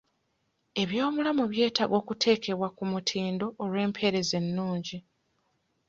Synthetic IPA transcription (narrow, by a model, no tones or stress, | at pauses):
e̞βjo̞ːmulamuβje̞ːtaɡo̞ːkutʰe̞ːke̞βwakumutʰiːndo̞ʔːlwe̞ːmpʰe̞ɾe̞ze̞nːuːɲɟi